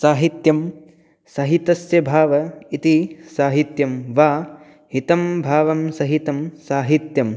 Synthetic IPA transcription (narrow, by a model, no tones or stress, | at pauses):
saːɦit̪jɐm | sɐɦit̪ɐsjɐbʱaːʋɐit̪isaːɦit̪jɐmʋaː | ɦit̪ɐmbʱaːʋɐmsɐɦit̪ɐmsaːɦit̪jɐm